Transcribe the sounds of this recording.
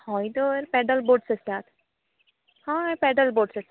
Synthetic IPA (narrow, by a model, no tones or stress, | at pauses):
hɔːid̪oɾpɛːɖəlboːɖsesaːt̪ʰ | hãːpɛːɖəlboːɖses